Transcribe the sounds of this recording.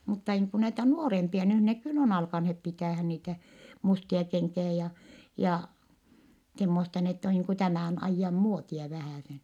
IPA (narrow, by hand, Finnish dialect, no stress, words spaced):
mutːɑ niːŋ ku næitæ nuorempiɑ nyh ne kylː on ɑlkɑnhep pitæˑhæn niːtæ mustiɑ keŋkiæ jɑ jɑ semːostɑ n etː o niːŋ ku tæmæˑn ɑijːɑm muotiɑ ʋæhæˑsen